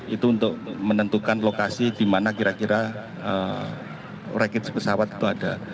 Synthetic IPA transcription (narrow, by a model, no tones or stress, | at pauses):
it̪uːnt̪ʊk̚mənənt̪ukanlokasid̥imanakiɾakiɾa | ə | rekɪt̪̚spəsawat̪i̥t̪uada